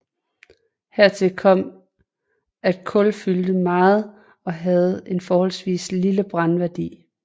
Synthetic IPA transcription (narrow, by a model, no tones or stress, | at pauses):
heɐ̰t͡sʰe̝lkʰɒ̽m̰ | æd̥̚kʰɔ̽lfyld̥əmɑ̈ːð̩ˠ | ɒ̽ɦæð̞̩ˠe̝nfɒːhɒ̽lsʋḭːsliləb̥ʁɑ̈nʋæɐd̥ḭː